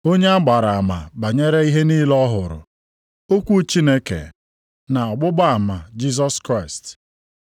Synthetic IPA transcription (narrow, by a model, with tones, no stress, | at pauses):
o˦ɲe˦a˦ɡ͡ba˨ɾa˨a˨ma˨ba˨ɲe˦ɾe˦i˦ɦe˦niː˦lɔ˦ɦʊ˨ɾʊ̰˨ | o˦kʷu˦t͡ʃi˦ne˦kḛ˨ | na˨ɔ˨ɡ͡bʊ˦ɡ͡ba˦a˨ma˨d͡ʒi˦s̬ɔ˦skɾa˦˨ɪ˨st